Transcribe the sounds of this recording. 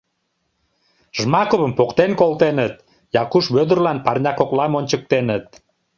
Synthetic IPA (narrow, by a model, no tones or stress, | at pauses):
ʒmɑkoβəmpokt̪enkolˠt̪enət̪̚ | jɑkuʃβød̪ərlɑnpɑrnʲɑkoklɑmonʲt͡ɕək̚t̪enət̪̚